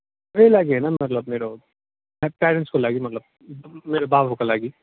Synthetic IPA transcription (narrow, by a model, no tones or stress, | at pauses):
elaːɡiɦɛnamɐt̪ləbmeːɾo | ɛpɛːɾə̃ɳʈskolaːɡimɐt̪ləb̚ | meːɾobaːʋɦokalaːɡiː